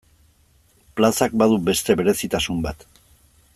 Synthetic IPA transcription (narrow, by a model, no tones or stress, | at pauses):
plasak̚baðube̞st̪e̞βe̞ɾe̞sit̪asumba̰t̪